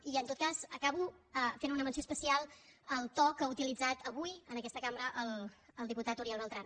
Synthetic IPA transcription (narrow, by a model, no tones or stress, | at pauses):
iənt̪ot̪̚kazəkaβuəfenunəmənsiospəsialˠəlˠt̪ɔkəaut̪ilid͡zat̪əβujənəkɛst̪əkambɾəʔəlˠəlˠd̪iput̪at̪uɾiɛlˠβɛlˠt̪ɾan